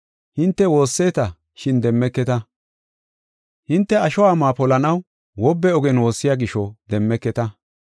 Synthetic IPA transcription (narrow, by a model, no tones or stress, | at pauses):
hɪnt̪ːɛwo̞ːsːe̞ːt̪ɐ | ʃɪnd̪ɛmːɛkːɛt̪ɐ | hɪnt̪ːɛɐʃɔwaːmaːpɔlɐnɐw | wɔbːɛɔɡɛnwo̞ːsːɪjaːɡɪʃɔd̪ɛmːɛkːɛt̪ɐ